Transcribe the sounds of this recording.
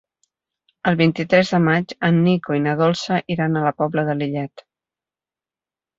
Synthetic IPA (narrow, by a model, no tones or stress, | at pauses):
əlˠβint̪it̪ɾɛzðəmad͡ʒənːikoinəðɔlˠsəʔiɾanələpɔbləðəliʎɛt̪